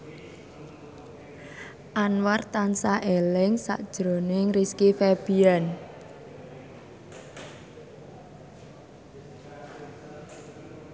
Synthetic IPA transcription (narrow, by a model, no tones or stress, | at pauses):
ʔanwart̪ansaʔelɪŋsa̰ʔd̥ʒ̥ɾo̤nɪŋriskifɛb̥ian